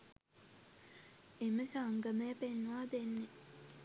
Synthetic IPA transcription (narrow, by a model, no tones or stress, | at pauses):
eməsaːŋɡəmeːpenːʋaːd̪enːe